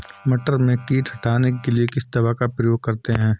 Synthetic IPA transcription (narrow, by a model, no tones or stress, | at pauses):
mɐʈəɾmẽkiːʈhɐʈʰaːnekeliekɪsd̪ɐbakapɾɐjoːɡ̚kɐɾt̪eɦɛ̃ː